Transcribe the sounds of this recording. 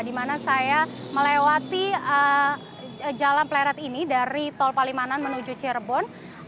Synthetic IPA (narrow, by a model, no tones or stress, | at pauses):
dimanasajaməlewat̪iə | d͡ʒalanplaɾat̪inidaɾit̪ɔlpalimananmənud͡ʒut͡ʃɛrbɔn